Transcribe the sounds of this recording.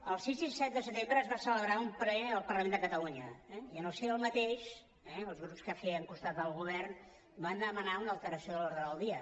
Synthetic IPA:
əlˠsizisɛt̪̚d̪əsət̪embɾəːzβasələβɾaumplɛəlˠpərləmẽnd̪əkət̪əluɲəɛiənəlˠsiəlˠmət̪eʃ | ɛəlˠzɣɾupskafɛəŋkust̪at̪̚d̪əlˠɣuβ̞ɛrn | band̪əmənaunəlˠt̪əɾəsioəlɔɾðɾəðəlˠd̪iə

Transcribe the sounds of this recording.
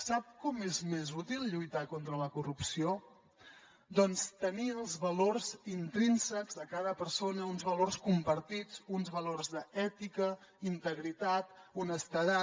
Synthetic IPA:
sap̚kɔmezmezut̪ilˠʎujt̪akont̪ɾələkurupsio | d̪ɔnst̪əniəlˠzβəlorzint̪ɾinsəɡzðəkaðəpəɾsonəunzβəlorskumpəɾt̪id͡zunzβəlorzðəɛt̪ikə | int̪əɣɾit̪at̪unəst̪əða

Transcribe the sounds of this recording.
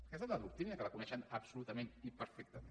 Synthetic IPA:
kɛzalaðuk̚t̪inɐkəlɐkunɛʃənɐbsulut̪əmẽnipəɾfɛk̚t̪əmen

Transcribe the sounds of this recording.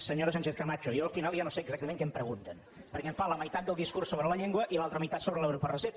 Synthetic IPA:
səɲoɾəsanʲt͡ʃeθkəmat͡ʃuijoəlˠfinalˠʒanoseəɡzak̚t̪əmẽŋkɛmpɾəɣunt̪ən | pəɾkɛɱfaləməjt̪at̪̚d̪əlˠd̪iskuɾrsːoβɾələʎeŋɡwəʔilalˠt̪ɾəməjt̪at̪soβɾəlɛwɾopərəse

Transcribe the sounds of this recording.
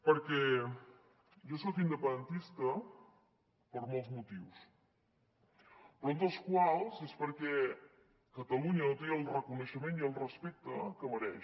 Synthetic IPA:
pəɾkɛ | ʒɔsɔkind̪əpənd̪ənt̪ist̪ə | pəɾmɔlˠzmut̪iws | pɾund̪əlˠskwalˠzespəɾkɛ | kət̪əluɲəot̪eəlˠrəkunəʃəmeniəlˠrəspek̚t̪əkəməɾɛʃ

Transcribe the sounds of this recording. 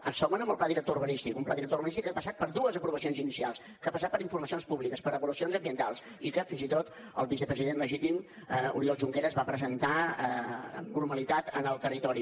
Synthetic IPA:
ə̰nsɔmənəmbəlˠplaðiɾək̚t̪ouβənist̪ikumplaðiɾək̚t̪ouβənist̪ikːapəsat̪̚pəɾðuəzəpɾuβəsionzinisialˠs | kəapəsat̪̚pəɾiɱfuɾməsionspuβlikəspəɾəβulusionzəmbiənt̪alˠs | ikəfinzit̪ot̪ | ə̰lˠβisəpɾəziðenləʒit̪im | ṵɾiɔlˠʒuŋkeɾəːzβapɾəzənt̪aəə̰mnurməlit̪at̪ə̰nəlˠt̪ərit̪ɔɾi

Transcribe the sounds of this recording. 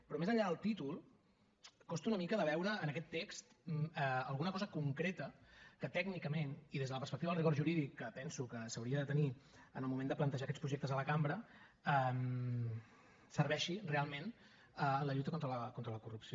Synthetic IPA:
pɾɔmezəʎːaðəlˠt̪it̪ulˠ | kɔst̪unəmikəðəβ̞ɛwɾəːnəkɛt̪ːekst̪əəlˠɣunəkɔzəkuŋkɾet̪əkət̪ɛɡnikəmeniðezðələpərspəkt̪iβəlrikɔɾʒuɾiðikːəpɛnsukəsəwɾiəðət̪əni | ənəlˠmumẽnd̪əplənt̪əʒaəkɛtt͡spɾuʒek̚t̪əzələkambɾə | əm | sərβɛʃirealˠmen | ələʎut̪əkont̪ɾələkont̪ɾələkurupsio

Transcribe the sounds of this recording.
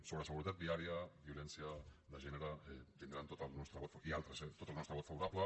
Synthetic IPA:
soɣɾeseɣuɾit̪at̪biaɾiaβio̞lensiaðaʒeneɾat̪ind̪ɾant̪ot̪anest̪ɾaβot̪fialt̪ɾeset̪o̞t̪alnot̪ɾaβo̞t̪faβoɾaβla

